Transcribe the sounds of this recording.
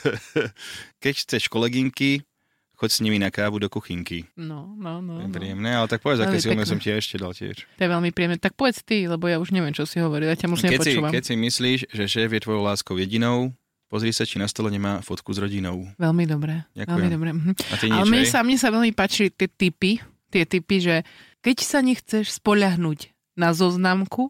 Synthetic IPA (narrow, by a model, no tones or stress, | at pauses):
kɛcxt͡sɛʃkɔlɛɡiŋki | xɔcsɲiminakaːʋud̪ɔkuxiŋkinɔnɔnɔɛpɾiɛmnɛːalɛt̪ak̚pɔʋɛd͡zaɛːsilnɛsɔmciaɛʃcɛd̪a̰lcɪɛ̰ʃt̪ɔjɛʋɛlmipɾijɛmnɛt̪ak̚pɔʋɛt͡st̪ilɛbɔjauʒɲɛʋɪɛmt͡ʃɔsiɦɔʋɔɾiljacamɔʒnɲɛɛpɔsit͡ʃuʋamkɛcsimisliːʃʒɛʃɛːvjɛt̪ʋɔjɔʊlaːskɔʊjɛɟinɔʊ | pɔzɾiːsat͡ʃinast̪ɔlɛɲɛmaːfɔt̪kuzɾɔɟinɔʊʋɛʎmid̪ɔbɾɛa̰kʋɛlmid̪ɔbɾɛm̩ɦm̩ʔat̪iɲalɛmɲɛsamɲɛsaʋɛʎmipaːt͡ʃilit̪ɪɛt̪ipi | t̪ɪɛt̪ipiʒɛkɛcsaɲɛxt͡sɛʃspɔʎaɦnuːc | nazɔznaːmku